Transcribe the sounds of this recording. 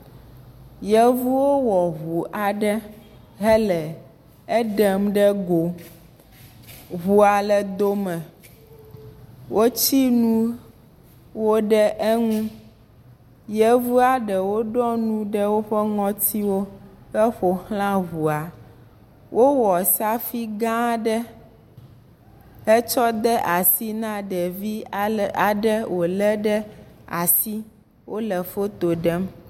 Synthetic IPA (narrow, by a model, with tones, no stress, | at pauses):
jɛ˦vu˦wo˦wɔ˨βu˨ʔa˨ɖɛ˦ | ɦɛ˦lɛ˨ | ɛ˦ɖɛ˨mɖɛ˦ɡo˨ | βu˦a˨lɛ˨d̪o˦mɛ̃˨ | wʔo˦t͡ɕi˦nũ˦ | wo˦ɖɛ˦ʔɛ˦ŋũ˦ | jɛ˦vu˦a˦ɖɛ˨wo˦ɖɔ˦nũ˦ɖɛ˦wo˦ɸɛ˦ŋɔ̃˦t̪ʰi˦wo˦ɛ˦ɸo˨xl̃ã˦ɣu˨a˨ | wʔo˦wɔ˨sa˦fi˦ɡã˦ɖɛ˦ | ɛ˦t͡ʃɔ˦d̪ɛ˦ʔa˨si˦nã˦ɖɛ˨vi˦a˨ɖɛ˦wʔo˨lɛ˦ɖɛ˦a̰˨si˦ | wʔo˦lɛ˨fo˦t̪o˨ɖɛ˦m